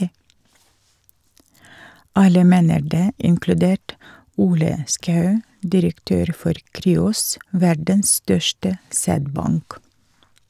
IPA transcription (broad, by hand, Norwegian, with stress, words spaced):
ˈɑlə ˈmeːnəɾ ˈdeː ɪŋklʉˈdeːʈ ˈuːlə ˈskɑʉ dɪɾəkˈtøːɾ ˈfɔɾ ˈkɾyːʊs ˈʋæɖəns ˈstœʃtə ˈsæːdˌbɑŋk